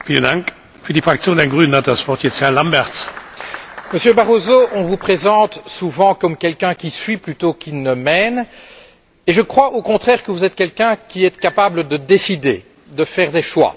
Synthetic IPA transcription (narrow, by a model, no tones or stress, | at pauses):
fiːləndaŋk | fyːɐdifʁ̥ak̚t͡sjoːnanɡʁyːnənat̚d̥asv̥ɔʁtjɛt͡sthɛʁlambɛʁs | məsjøbaʁozoʔɔ̃vupχezɑ̃t̪suvɑ̃kɔmkʲɛlkɛ̃kʲisɥiplyt̪okinəmɛn | eʒəkχwaʔokɔ̃t̪χɛːʁkəvuzɛt̪kʲɛlkʲɛ̃kʲiɛt̪kapabləd̪əd̪esid̪e | d̪əfɛʁd̪eʃwa̰